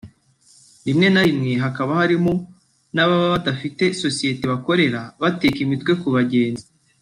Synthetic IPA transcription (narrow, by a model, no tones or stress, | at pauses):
dimne̞naimŋe̞ɦakaβahaɾimo | naβaβaβadafite̞so̞sije̞teβako̞ɾe̞ɾaβateːkimitkwe̞kuβaɟe̞ːnzi